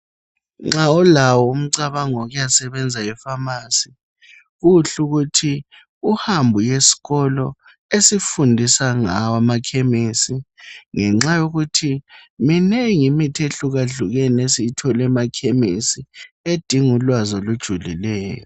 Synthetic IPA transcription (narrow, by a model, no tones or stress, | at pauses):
ŋ͡ǁaɔlawɔum̩ǀaβaŋɔɣujasɛβɛnd͡zʱajɛfamasi | ɣuɬuɣutʰi | uhambʱujesi̥ɣɔlɔ | esifundʱisaŋawamakʰemisiŋɛŋ͡ǁajoɣutʰiminɛŋimitʰeɬuɣaɮuɣɛnesitʰɔlɛmakʰemisied̥ʱiŋulwazɔlud̥ʒ̥ʱulḭlɛːjɔ